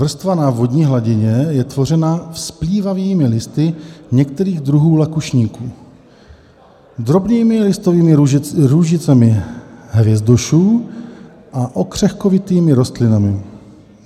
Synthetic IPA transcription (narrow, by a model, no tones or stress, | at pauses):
vr̩st̪vanavo̞dɲiːɦlaɟɪɲɛjɛt̪vo̞r̝ɛnafspliːvaviːmɪlɪst̪ɪɲɛk̚t̪ɛɾiːɣd̪ɾuɦuːlakuʃɲiːkuː | d̪ɾo̞bniːmɪlɪst̪oviːmɪɾuʒɪt͡sɛmɪɦvjɛzd̪oʃuː | ʔaʔokr̝̥ɛxkovɪt̪iːmɪɾo̞st̪lɪnamɪ